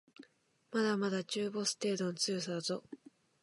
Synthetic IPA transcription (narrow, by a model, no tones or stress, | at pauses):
mad̪amad̪at͡ɕɨːbo̞sɨ̥t̪e̞ːd̪ont͡sɨːs̬azo̞